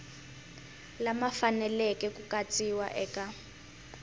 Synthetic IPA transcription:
lamafanɛlɛkʼɛkukatʼiwa̰ʔɛːkʼa

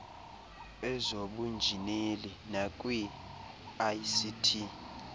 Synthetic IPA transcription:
ɛzoɓund͡ʒʱinilinak̬ʼwi | ajsitʰi

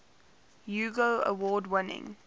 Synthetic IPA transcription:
juːɡoʊə̰wɔːdwɪnɪ̰̃ŋ

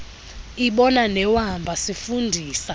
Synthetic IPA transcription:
iɓɔnanɛwambʱasifundʱiːsa

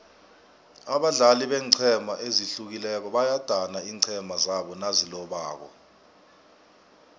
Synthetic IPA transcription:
aɓaɮaliɓɛːǀʰɛmʱaʔeziɬuk̬ilɛk̬ɔɓajad̥ʱanaiːǀʰɛmʱazaɓɔnazilɔɓaːk̬ɔ̰

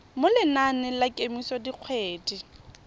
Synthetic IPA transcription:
mʊlɪnanɪlakʼemisɔdiq͡χʰweːdi

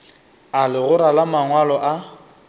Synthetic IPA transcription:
alɪɣʊɾalamaŋwalɔʔa

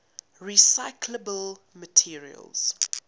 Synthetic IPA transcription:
ɹisaɪkʰləbəl | mətʰiɹḭə̰lˠz̥

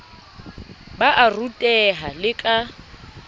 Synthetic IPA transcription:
baʔarutʼɛɦalɪkʼa

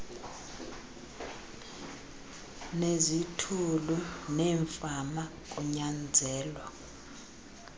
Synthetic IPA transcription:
nezitʰulunɛːɱfamak̬ʼuɲand͡zʱɛːlwa

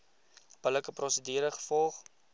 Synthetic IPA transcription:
b̥ələkəpɾrosədiːɾəχə̥fɔlˠχ

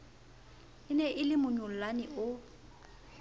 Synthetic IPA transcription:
ɪnɛʔɪlɪmʊɲʊl̩lanɪʔʊ

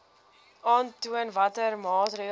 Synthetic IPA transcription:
ɑːntuənvɐtərmɑːtri

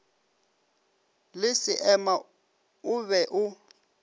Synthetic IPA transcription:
lɪsiʔɛma | uβɛʔu

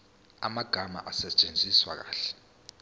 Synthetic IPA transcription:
a̰maɡ̥ʱama̰ʔasɛt͡ʃʼend͡zʱiswa̰k̬aːɬɛ̥

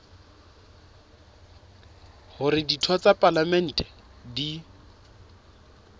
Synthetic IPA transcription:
hʊrɪditʰɔt͡sʼapʼalamɛn̩ːtʼɛ̥ | di

